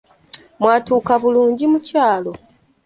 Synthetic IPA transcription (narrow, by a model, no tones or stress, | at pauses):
mwaːtuːkaβuluːɲɟimucaːlo̞